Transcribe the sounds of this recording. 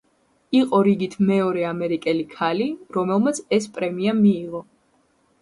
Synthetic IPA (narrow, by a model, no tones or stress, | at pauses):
iqʼɔɾiɡit̪ʰmɛɔɾɛamɛɾikʼɛlikʰaliɾɔmɛlˠmat̪sʰɛspʼɾɛmiamiːʁɔ